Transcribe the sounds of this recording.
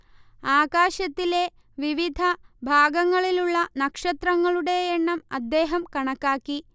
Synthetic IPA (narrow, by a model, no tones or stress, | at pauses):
aːkaːɕɐt̪ːile̞ | ʋiʋid̪ʱɐbʱaːɡɐŋːɐɭiluɭːɐnɐkʂɐt̪rɐŋːɐɭuɽe̞ːɳːɐmɐd̪ːeːɦɐmkɐɳɐkːaːkːi